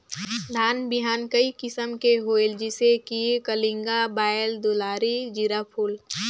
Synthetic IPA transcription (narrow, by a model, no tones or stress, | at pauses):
d̪ʱaːnbɪɦaːnkəikɪsəmkeɦoːeld͡ʒɪsekiekəlɪ̃ŋɡabaːld̪olaːɾid͡ʒiɾapʰuːl